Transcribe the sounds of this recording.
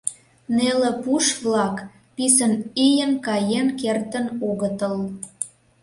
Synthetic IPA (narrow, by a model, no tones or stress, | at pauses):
nelĕpuʃβlɑk | pisənijənkɑjenkert̪ənoɣət̪əl